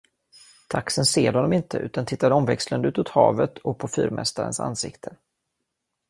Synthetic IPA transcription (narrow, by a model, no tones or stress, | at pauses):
t̪ʰaksənseːɾhɔnːɔmɪnt̪ʰəʔʉ̟ːt̪ant̪ʰɪt̪ːad̪ɔmvɛkslənʉ̟ːt̪ɵt̪hɑːvət̪ʰɔk̚pʰɔfyːɾmʔɛ̰st̪aɾə̰nsa̰nsɪkt̪ʰə